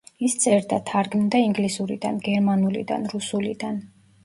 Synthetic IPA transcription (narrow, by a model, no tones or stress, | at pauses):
ist̪sʼɛɾd̪at̪ʰaɾɡmd̪aiŋɡlisuɾḭd̪a̰nɡɛɾmanulḭd̪a̰nɾusulḭd̪an